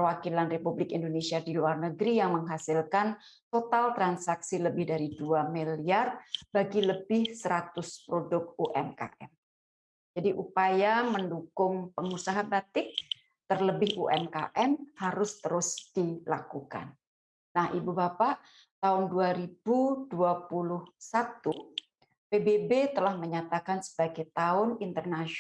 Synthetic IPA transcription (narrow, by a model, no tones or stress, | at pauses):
pəwakilanrepublɪkindonesiadiluarnəɡɾijaŋməŋɦasɪlkan | t̪ot̪alt̪ɾansaksiləbɪhdaɾiduamiliarbaɡiləbɪhsəɾat̪ʊspɾodʊk̚uʔɛmka̰ʔɛ̰m | d͡ʒadiʔupajaməndukʊŋpəŋusaɦabat̪ɪk̚ | t̪ərləbɪɦuʔɛmka̰ʔɛmhaɾʊst̪əɾʊsd̥ilakuka̰nː | ahʔibubapaʔ | t̪aʊnduaɾib̥uduapulʊhsat̪u | pebebet̪əlahməɲat̪akansə̥baɡajt̪aʊnint̪ərnaʃ